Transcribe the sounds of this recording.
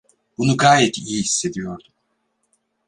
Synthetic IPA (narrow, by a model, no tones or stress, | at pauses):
b̥unuɡaːjɛt̪ijihisːe̞d̪ijo̞ɾd̪um